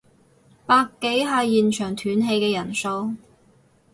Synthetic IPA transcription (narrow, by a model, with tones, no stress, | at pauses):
paː˧kːe˨˥jɦaː˧jiː˨nt͡ʃʰœː˨˩ŋt̪ʰyː˨˥nɦe˧jkɛː˧jɐ˨˩nso˧w